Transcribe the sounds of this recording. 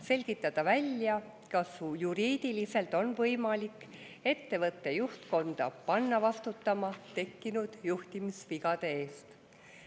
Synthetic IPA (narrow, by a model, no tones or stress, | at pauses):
se̞lʲɡ̥it̪ːˑɑd̪̥ɑvælʲjɑ | kɑsjuɾiːd̪̥ilise̞lt̪ːˑo̞nvɤjmɑlikː | e̞t̪ːe̞vɤt̪ˑːe̞juht̪ko̞nd̪̥ɑpɑnːɑvɑst̪ut̪ːˑɑmɑt̪e̞kːinud̪̥juht̪imisviɡɑd̪̥e̞e̞ːst̪